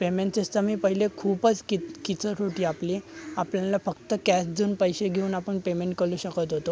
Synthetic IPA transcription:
pemeɳʈt͡sest̪əmiːpəɦilekʰuːpət͡skikit͡səʈʰoʈiːapliapljãnlafəkt̪əkæsd͡z̪uːnpəjɕeɡʱeuːnapəɳpemeɳʈ̚kəluːɕəkət̪ɦot̪o

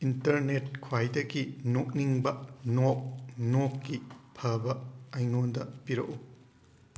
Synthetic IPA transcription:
intɐɾnet̚kʰwajdɐɡinok̚niŋbɐnok̚nokːipʰɐbɐajŋondɐ̰piɾɐ̰ʔu

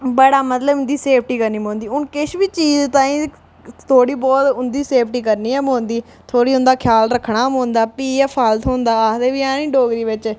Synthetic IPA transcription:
bəɽaːmət̪ləbʊnd̪iːseːpʰʈiːkəɾniːmõːnd̪iːʊnkɪʃʋiːt͡ʃiːzt̪ãːĩː | t̪ʰoːɽiːbɔːt̪ʊnd̪iːseːpʰʈiːkəɾniːɛmõːnd̪iː | t̪ʰoːɽiːʊnd̪aːkʰjaːlɾəkʰːɳaːmõːnd̪aːpiːaːpʰəlt̪ʰɦõːnd̪aːaːd̪eːʋiːãːnĩːɖoːɡɾiːʋɪt͡ʃ

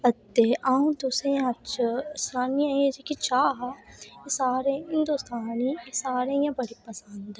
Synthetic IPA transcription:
ɐt̪ːeʔaːũd̪usɾẽjãɐt͡ʃsɾaːniãẽd͡ʒekit͡ʃaːɦsaːɾẽɦɪ̃nd̪ust̪ʰaːnisaːɾẽjãbɐɽipɐsə̃nd̪

